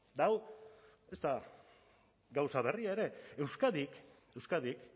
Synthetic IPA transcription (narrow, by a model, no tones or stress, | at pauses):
d̪aw | e̞st̪a | ɡawsaβe̞riaeɾe̞e̞wskaðik | e̞wskaðik